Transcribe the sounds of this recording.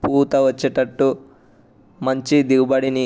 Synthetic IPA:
puːt̪ɐʋɐt͡ʃːeʈɐʈːu | mɐɲt͡ʃid̪iɡubɐɽini

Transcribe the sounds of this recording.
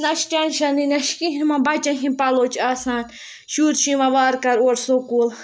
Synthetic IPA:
naʃt͡ʃanʃaninaʃkiɦimãbat͡ʃaɦĩpalot͡ʃasan | ʃuɾʃĩmãʋaːɾkaɾoɾsokul

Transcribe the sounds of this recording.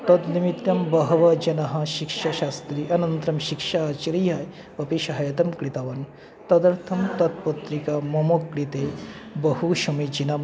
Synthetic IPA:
t̪ɐd̪nimit̪jɐmbɐɦɐʋɐd͡ʒɐnɐɦɐ̆ʃikʃɐʃaːst̪ɾiʔɐnɐnt̪ɾɐmʃikʃaːt͡ʃɐɾijaj | ɐpiʃɐɦɐjɐt̪ɐmkɾit̪aːʋɐn | t̪ɐd̪ɐɾt̪ʰɐmt̪ɐt̪̚pɐt̪ɾikamɐmokɾit̪ebɐɦuʃɐmid͡ʒinɐm

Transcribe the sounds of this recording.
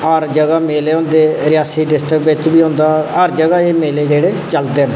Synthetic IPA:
əɾd͡ʒəɡaːmeːleːɦõːnd̪eːɾɪjaːsiːɖɪsʈɾəkbɪt̪biːɦõːnd̪aːəɾd͡ʒəɡaːeːmeːleːd͡ʒeːɽeːt͡ʃəlt̪eːə̃nd̪eː

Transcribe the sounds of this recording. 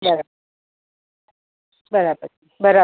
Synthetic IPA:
bəɾab | bəɾabə | bəɾa

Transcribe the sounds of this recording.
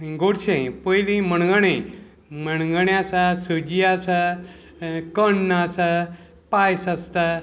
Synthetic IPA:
ɡoɽɕẽpəjlĩməɽɡəɳẽ | məɳ̃ɡəɳjasasəd͡ʑiasa | kənːasa | pajsast̪a

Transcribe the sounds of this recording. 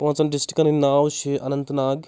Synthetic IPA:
pɐnt͡sɐnɖisʈi̥kɐnnaːʋʃiʔɐ̰nɐnt̪naːɡ

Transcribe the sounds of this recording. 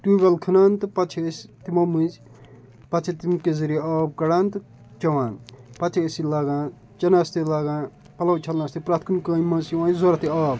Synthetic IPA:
ʈuɡʲɐlkʰɨnaːnt̪ɨpɐt͡ʃʰest̪imɐmɨz | pɐt͡ʃʰet̪imkezɐɾieaːb̚kɐɽaːnt̪ɨ | t͡ʃɐwaːnpɐt͡ʃʰeesilaːɡãː | t͡ʃɐnast̪ilaːɡãː | pɐlɐwt͡ʃʰɐlnast̪ipɾaːt̪ʰkunkɐːimɐsiwãːzoɾɐt̪iaːb

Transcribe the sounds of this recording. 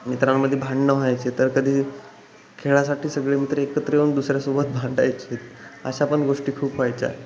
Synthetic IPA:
mit̪ɾamːəd̪ʱːjebʱãɳɖnəɦajt͡ɕet̪əɾkəd̪ʱiː | kʰeɭasaʈiːsəɡɭemit̪ɾəekət̪ɾeuɳd̪usɾjasobət̪̚bʱãɳɖajt͡ɕet̪ə̰ɕapəɳɡoʂʈiːkʰuːpɦajt͡ɕa̰

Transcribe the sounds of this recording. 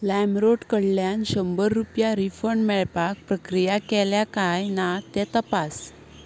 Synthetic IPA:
lɛmɾoʈkəɽljanɕəmbəɾːupjaɾifəɳmɛɭpak̚pɾəkɾijakɛljakajnat̪ɛt̪əpas

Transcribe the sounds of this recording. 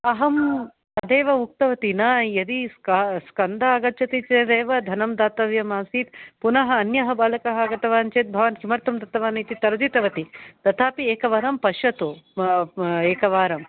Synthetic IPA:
ɐɦɐm | ɐd̪eːʋɐuk̚t̪ɐʋɐt̪inaːjɐd̪iskaskɐnd̪aːɡɐtːt͡ʃʰɐt̪it͡ʃeːd̪eːʋɐd̪ʱɐnɐmd̪aːt̪ɐʋjɐmaːsiːt̪punɐɦɐːnjɐɦɐbaːlɐkɐɦɐɡɐt̪ɐʋaːnt͡ʃeːt̪̚bʱɐʋɐnhimɐɾt̪ɐmd̪ɐt̪ɐʋaːnɐjt̪it̪ɐɾɐd͡ʒit̪ɐʋɐt̪it̪ɐt̪ʰaːpieːkɐʋɐɾɐmpɐʃɐt̪u | eːkɐʋaːɾɐm

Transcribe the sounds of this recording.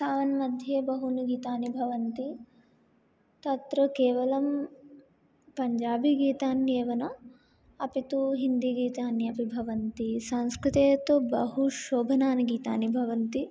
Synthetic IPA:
saːʋɐnmɐd̪ʱjebɐɦunuɡiːt̪aːnibʱɐʋɐnt̪i | t̪ɐt̪ɾɐkeːʋɐlɐm | pɐɲd͡ʒaːbiɡiːt̪aːnjeːʋɐnɐ | ɐpit̪uɦind̪iɡiːt̪aːnjɐpibʱɐʋɐnt̪isɐ̃ŋ̃skɾut̪eːt̪ubɐɦuʃoːbʱɐnaːnɐɡiːt̪a̰ːnibʱɐʋɐnt̪i

